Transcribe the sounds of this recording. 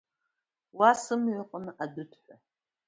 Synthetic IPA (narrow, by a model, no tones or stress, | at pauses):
wasɨmɥʷʊqʼənɨʔadɨtʰʼħʷa